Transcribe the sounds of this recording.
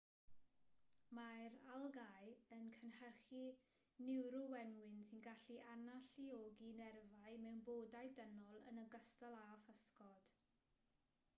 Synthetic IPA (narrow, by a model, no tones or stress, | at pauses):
majɾalˠɡajənkʰənhərχi | nɪwɾʊwɛnwɪnsɪnɡaɬiʔanaɬioɡinɛrvajmɛwnboːdajdənɔlˠə̰nəɡəstalˠafəskɔd̥